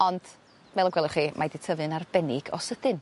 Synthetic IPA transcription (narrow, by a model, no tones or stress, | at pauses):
ɔnd̥ | mɛlˠɔɡwɛlˠɪχimʔadɪtʰəvɨnarbɛnɪɡ̥ɔ̰səd̥ɨn